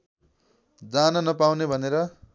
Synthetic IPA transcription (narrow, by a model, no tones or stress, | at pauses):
d͡zanʌnʌpawnebʱʌneɾʌ